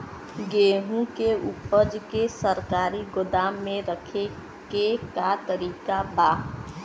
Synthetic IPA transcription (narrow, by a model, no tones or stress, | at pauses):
ɡeːɦũkeʊpəd͡ʒkesəɾkaːɾiɡʊd̪aːmːẽɾəkʰe | kekat̪əɾiːkabaː